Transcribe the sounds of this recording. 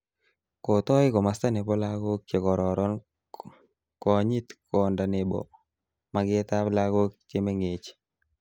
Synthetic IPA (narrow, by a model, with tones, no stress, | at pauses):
ko˨t̪ɔ˦ɪ˦kɔ˨ma˨st̪a˦ne˨bɔ˦la˦ɡo˦k̚t͡ʃe˨kɔ˨ɾɔ˨ɾɔ˦n | kɔ˨ɲi˦t̪kʰɔ˨nda˨ne˨bɔ̰˨ | ma˨ɡɪ˦t̪a˦pla˦ɡo˦kt͡ʃe˦me˦ŋe˨t͡ʃ